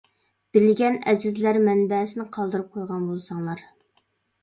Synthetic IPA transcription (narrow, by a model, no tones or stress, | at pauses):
b̥ɪlɡʲɛnɛzɪzlæɾmɛnbɛːsɪnɪqʰɑlˠd̪ɨɾɨp̚qʰojʁɑnbolˠsɑŋlˠɑɾ